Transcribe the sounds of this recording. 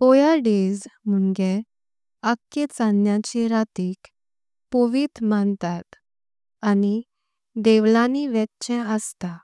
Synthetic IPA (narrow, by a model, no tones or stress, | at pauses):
pojaɖed͡zm̤uɳɡe | əkːet͡sanjat͡ɕeɾat̪iːk | poʋiːt̪mant̪at̪ | ani | d̪eʋlaniʋɛt̪t͡ɕɛ̃əst̪a